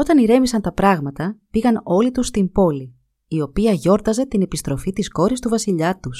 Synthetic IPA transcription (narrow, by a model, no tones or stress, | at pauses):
o̞t̪ɐniɾe̞misɐnt̪ɐpɾɐɣmɐt̪ɐpiɣɐno̞lit̪ust̪imbo̞li | io̞piɐʝo̞ɾt̪ɐze̞t̪ine̞pist̪ɾo̞fit̪isko̞ɾist̪uvɐsiʎɐt̪us